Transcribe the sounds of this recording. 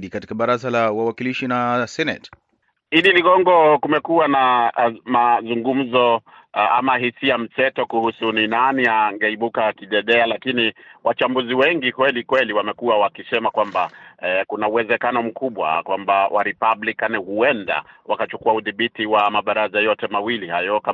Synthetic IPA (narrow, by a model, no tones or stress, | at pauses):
ɗikati̥kaɓaɾazalawawakiliʃinasɛnɛt | hiɗiliɠɔŋɡɔkumɛkuanamazuŋɡum̩zɔ | a̰maɦisiam̩sɛtɔkuhusuninaniaŋɡɛiɓukakiɗɛɗɛalakiniwʔat͡ʃambuziwɛŋɡikwɛlikwɛliwamɛkuawakisɛmakwambakunauwɛzɛkanɔm̩kuɓwa̰kwambawʔa̰ɾipablikanihuɛnda̰wʔa̰kat͡ʃukuauðiɓitiwamaɓaɾazajɔtɛmawilihajɔka